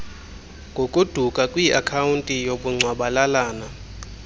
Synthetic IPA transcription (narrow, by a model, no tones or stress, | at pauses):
ŋɡʱokʼud̥ʱukʼakʼwiʔakʰawuntʼijoɓuŋ͡ǀʱwaɓalalaːna